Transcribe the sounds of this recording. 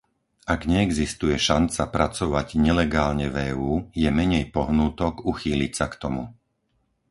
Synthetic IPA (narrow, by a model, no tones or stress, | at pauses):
aɡɲɛːɡzist̪ujɛʃant͡sapɾat͡sɔʋaɟɲɛlɛɡaːlɲɛvɛːuːjɛmɛɲɛjpɔɦnuːt̪ɔkuxiːlicsakt̪ɔmu